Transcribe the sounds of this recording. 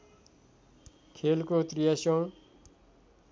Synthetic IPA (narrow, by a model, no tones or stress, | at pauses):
kʰelkot̪rijasʌw̃